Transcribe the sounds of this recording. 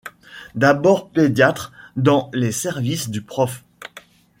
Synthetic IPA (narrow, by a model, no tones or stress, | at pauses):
d̪abɔʁped̪jat̪χd̪ɑ̃lesɛʁvisd̪ypχɔf